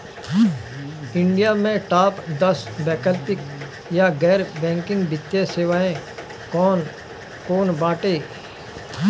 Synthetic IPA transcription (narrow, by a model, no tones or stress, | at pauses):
ɪ̃ɳɖijamẽʈaːpd̪ɐsbɛːkəlpɪk | jaɡɛːɾbɛ̃ːŋkɪ̃ŋɡbɪt̪jeseːʋaːẽ | kɔːn | koːnbãːʈeː